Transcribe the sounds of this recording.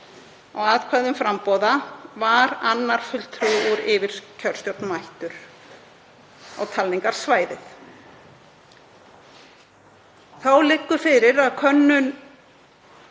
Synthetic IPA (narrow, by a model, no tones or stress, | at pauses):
ɔɣaðkʰvaːðʏmfɾampɔðavaɾanːaɾ̥fʏlt̪ʰɾuuɾɪvɪɾ̥cʰœl̥st̪jowt̪nmajht̪ʏɾ̥ | a̰wt̪ʰalːiŋkaɾ̥svaːjðɪθ | θawlɪkːʏfɪɾɪɾaðkʰœnːʏn